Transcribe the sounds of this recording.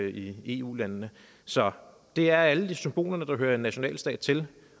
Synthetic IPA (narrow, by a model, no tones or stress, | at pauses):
ie̝ṵːlænnə | sɒ̽ | d̥e̝æɐæləd̥isymb̥o̝̰ːlɐnəd̥ɑ̈ɦøːɐenːæɕo̝nɛ̰ːlsd̥ɛ̰ːd̥̚t͡sʰe̝l